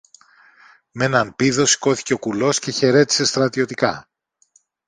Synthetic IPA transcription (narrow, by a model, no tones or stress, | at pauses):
me̞nɐnpiðo̞si̥ko̞θi̥ce̞o̞kulo̞sce̞çe̞ɾe̞t̪i̥se̞st̪ɾɐt̪io̞t̪ikɐ